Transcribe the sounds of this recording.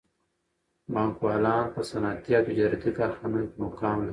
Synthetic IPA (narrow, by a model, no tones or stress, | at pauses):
bãːŋkwaːlɑːnpəsɐnaːt̪ijat̪ud͡ʑɐɾt̪ikaxanukmokaːmlɐi